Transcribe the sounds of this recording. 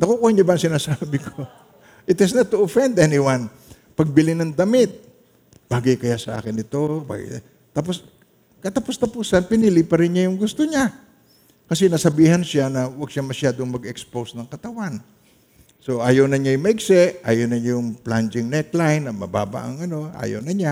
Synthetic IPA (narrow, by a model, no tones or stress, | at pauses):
nɐkukuhaɲabaɐŋsɪnaːsabɪkʰo | ʔɪt̪ɪsnɐt̪ːʊɐfɛnd̪ʔɛnɪwan | pɐɡ̚bɪlɪnɐŋd̪ɐmɪt̪̚ | b̥aːɡɐjkɐjasɐʔa̰ːkɪnɪt̪o̞ba̰ | t̪ap̬os | kɐt̪ɐpost̪ɐpuːsɐnpɪnilɪpɐɾɪnɲajʊŋɡʊst̪oɲa | kɐsɛnɐsɐbiːhɐnʃanɐwɐɡ̚ʃamɐʃjaːd̪o̞ŋmɐɡɛkspowsnɐŋkɐt̪ɐwan | so̞ʔaːjɐwnɐɲajʊŋmɐʔɪɡsɛʔʔa̰ːjownɐɲjʊŋpland͡ʒɪŋnɛt̪lajnːɐmɐ̰ba̰ːba̰ʔɐ̰ŋɐno̞ʔa̰ːjo̰wnɐɲa